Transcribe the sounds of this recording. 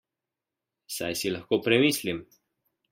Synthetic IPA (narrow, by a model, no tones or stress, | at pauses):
sa̰jsilɐxkoːpɾɛmiːslim